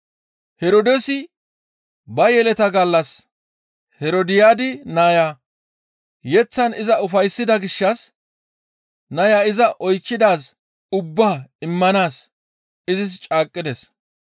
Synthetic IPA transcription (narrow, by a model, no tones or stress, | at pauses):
hɛɾod̪ɛsɪ | bɐjɛlɛt̪ɐɡɐlːɐs | hɛɾod̪ɪjaːd̪ɪnaːjaː | jɛt͡sːɐnɪzɐʊfɐjsːɪd̪ɐɡɪʃːɐs | nɐjaːɪzɐʔɔjt͡ʃːɪd̪aːs | ʊbːaːɪmːɐnaːs | ɪzɪs̬t͡ʃʼaːkʼːɪd̪ɛs